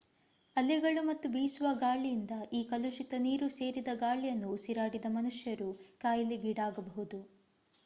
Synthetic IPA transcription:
ɐlːiɡɐɭumɐt̪ːubiːsuʋɐɡaːɭijind̪ɐʔiːkɐluʃit̪ɐniːɾuse̞ːɾid̪ɐɡaːɭijɐnːusiɾaːɽid̪ɐmɐnuʂjɐɾukaːjɐlːiɡiːɽaːɡɐbɐɦud̪u

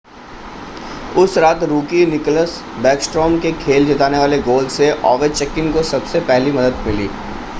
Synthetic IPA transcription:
ʊsɾaːt̪ɾuːkinɪkləs | bɛːksʈɾɔːmkekʰeːld͡ʒɐt̪aːneʋaːleɡoːlɖseʔɔ̰ːʋet͡ʃɛkɪnkosɐbsepɛɦlimɐd̪əd̪mɪlḭː

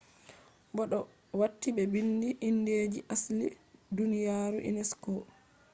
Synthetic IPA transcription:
bɔɗɔ | watːibɛbindiʔːnːdeːd͡ʒiʔaslidunijaːɾuʔḭnɛskɔ

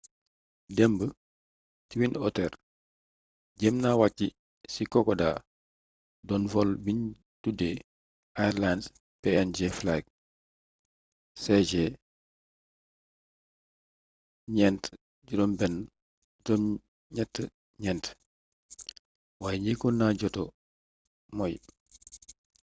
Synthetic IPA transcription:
dɛmbə | tiwinɔtɛr | ɟɛmnawacːi | sikɔkɔda̰ː | dɔnfɔlbiɲ | dude | ʔajɾlans | pɛɛnd͡ʒeflak̚ | sɛd͡ʒɛ | ɲɛnt | ɟuɾɔnbɛn | ɟdɔn | ɲɛtːə | ɲɛnt | waːjɲikunːaɟɔtɔ | mɔj

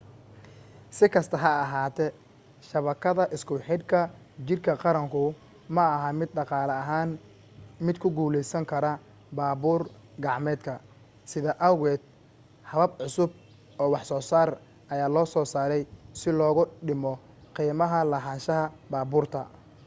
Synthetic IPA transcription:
sɪkʰɐst̪ʰɐɦɐːɦaːt̪ʰɛ | ʃɐβɐkʰɐðɐʔɪskʰʊħɪd̪kʰɐ | t͡ʃɪrkʰɐqɑɾɐŋkʰʊ | mɐɐɦɐmɪd̪̚ɖɑqɑːlɐɐɦaːn | mɪd̪kʰʊɡuːlɛjsɐŋkʰɐɾɐ | baːbuːr | ɡɑʕmɛːd̪kʰɐ | sɪðɐʔɐwɣɛːd̪ | hɐβɐbʕʊsʊb̚ | ɔːwɑħsɔːsaːr | ʔɐjaːlɔːsɔːsaːɾɛjsɪlɔːɣʊɖɪmɔ | qiːmɐɦɐlɐɦaːnʃɐɦɐbaːbuːrt̪ʰɐ

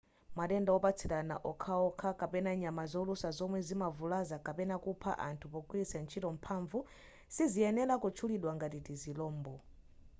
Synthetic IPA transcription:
maɗɛndawɔpat͡sʰiɾana̰ʔɔkʰaɔkʰakapɛnaɲamazɔlusazɔmwɛzimavulazakapɛnakupʰa̰ʔa̰ntʰupɔkuisɛnt͡ʃʰitɔm̩pʰaːɱvu | siziɛnɛlakɔt͡ʃʰuliɗwaŋɡatitizilɔːmbɔ

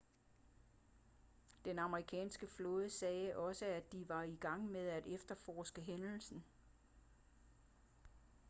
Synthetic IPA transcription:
d̥enɑ̈məʁikʰɛ̰ːnsɡ̥əflɔ̽ðˠəsɛːʔɒ̽səæd̥iʋɑ̈iɡ̥ɑ̈ŋ̰með̞ˠæd̥efd̥ɐfɒːsɡ̥əɦenl̩sn̩

